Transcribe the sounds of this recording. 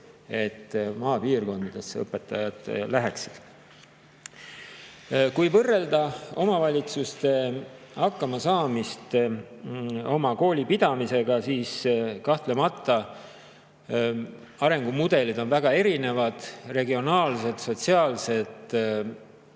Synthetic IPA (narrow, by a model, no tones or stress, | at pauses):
e̞t̪ːmɑːpiːrko̞nd̪ɑd̪̥e̞sːɤ̰pːˑe̞t̪ːˑɑjɑd̪̥læɦæksi̥d̪̥ | kujvɤrːe̞ld̪ɑo̞mɑvɑlʲit̪sust̪e̞ | hɑkːɑmɑsɑːmist̪ | o̞mɑko̞ːlʲipid̪̥ɑmise̞ɡ̥ɑsiːskɑht̪le̞mɑt̪ˑːɑ | ɑɾe̞ŋɡ̥umud̪̥e̞lid̪o̞nvæɡ̥ɑe̞ɾine̞vɑd̪̥re̞ɡio̞nɑːlse̞t̪so̞t̪siɑːlse̞t̪